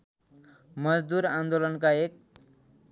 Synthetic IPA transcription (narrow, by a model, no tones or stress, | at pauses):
mʌd͡zd̪uɾãnd̪olʌnkaek̚